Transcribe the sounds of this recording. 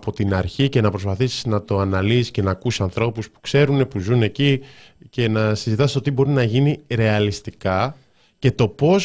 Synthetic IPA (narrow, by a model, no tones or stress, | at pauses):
po̞t̪inɐɾçice̞nɐpɾo̞spɐθisi̥znɐt̪o̞ɐnɐlisisce̞nɐːkusiɐnθɾo̞puspu̥kse̞ɾune̞puzune̞ci | ce̞nɐsizit̪ɐse̥t̪ot̪̬ibo̞ɾinɐʝiniɾe̞ɐlist̪ikɐ | ce̞t̪o̞po̞s